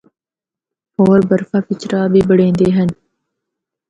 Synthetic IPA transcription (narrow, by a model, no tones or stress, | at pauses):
oːɾbəɾfaːpɪt͡ʃɾaːbʱiːbəɽẽːnd̪eːɦən